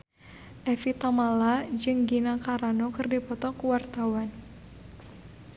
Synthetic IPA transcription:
ʔɛfit̪amalad͡ʒɨŋɡinakaɾanɔkɨrdipɔt̪ɔkuwart̪awan

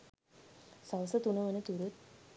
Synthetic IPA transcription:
sawsət̪unəʋənət̪uɾut̪̚

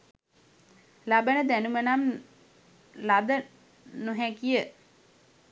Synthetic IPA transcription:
labənəd̪ænumənam | lad̪ə | nuɦækijə

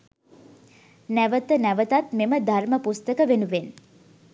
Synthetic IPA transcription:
næʋət̪ənæʋət̪at̪meməd̪ʱarməpust̪əkəʋenuʋen

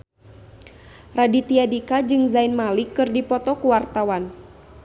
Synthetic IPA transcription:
radit̪iadikad͡ʒɨŋzainmalikːɨrdipɔt̪ɔkuwart̪awan

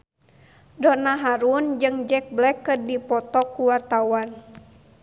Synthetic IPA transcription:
dɔnaɦaɾund͡ʒɨŋd͡ʒɛk̚blɛkːərdipɔt̪ɔkːuwart̪awan

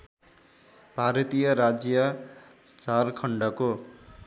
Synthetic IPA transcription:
bʱaɾʌt̪ijʌɾad͡zjʌ | t͡sarkʰʌɳɖʌko

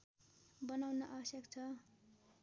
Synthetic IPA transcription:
bʌnawnaʔabʌsjʌkt͡sʰʌ

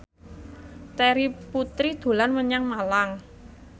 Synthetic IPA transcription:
t̪ɛɾiput̪ɾid̪̥o̤lanməɲaŋmalaŋ

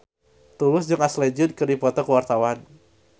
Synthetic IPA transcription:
t̪ulʊsd͡ʒʊŋasled͡ʒʊd̚kɨrdipɔt̪ɔkəwart̪awan

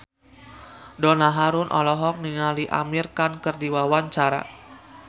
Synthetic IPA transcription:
dɔnaɦaɾʊnʔɔ̰lɔɦɔk̚niŋaliʔa̰mirkankərdiwawaɲt͡ʃaɾa̰

